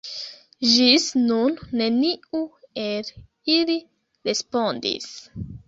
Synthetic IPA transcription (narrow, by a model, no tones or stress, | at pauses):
ʒisnunːe̞niuel | ili | ɾe̞spo̞ndḭs